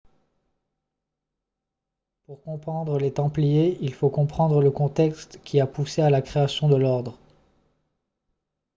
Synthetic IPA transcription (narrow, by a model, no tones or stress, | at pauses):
puʁkɔ̃pχɑ̃d̪ʁəlet̪ɑ̃plijeilfokɔ̃pχɑ̃d̪ʁələkɔ̃t̪ɛkst̪kʲiapusealakχeasjɔ̃d̪əlɔʁd̪ʁə